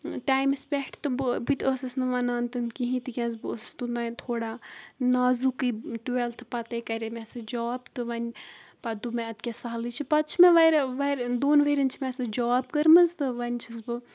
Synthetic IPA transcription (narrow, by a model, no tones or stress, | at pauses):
ʈaːjmɐspʲɛʈʰt̪ɨbɨbit̪ʲəsɐsnɨʋɐnaːnt̪ɨnkiɦĩt̪ɨkʲɐ̃nzbɨəsst̪unaːt̪ʰoːɽaːnaːzukɨʈuʋelt̪ʰɨpɐt̪ɐjkɐɾʲemɛsɨd͡ʒaːbt̪ɨʋɐnʲpɐd̪umɛ̃ɐt̪kʲesaːlit͡ʃʰipɐt̪t͡ʃʰmeʋɐɾʋɐɾd̪oːnʋeɾɐnʲt͡ʃʰimɛsɨd͡ʒaːbkɐɾmɐzt̪ɨʋɐnʲt͡ʃʰɐsbɨ